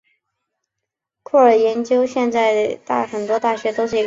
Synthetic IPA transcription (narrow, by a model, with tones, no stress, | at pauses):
kʰɔ˥˩ə˞˨˩jɛ˧˥nt͡ɕjo˥ʊɕjɛ˥˧nt͡sa˥˩ɪt̪a˥˩xə˨˩nt̪wɔ˥t̪a˥˩ɕɥɛ˧˥t̪o˥ʊʂɻ̩˥˩i˧˥